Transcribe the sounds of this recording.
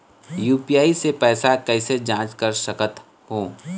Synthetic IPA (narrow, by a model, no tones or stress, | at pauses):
juːpiaːisepɛːsakɛːsed͡ʒãːt͡ʃkəɾsəkət̪ | ɦoː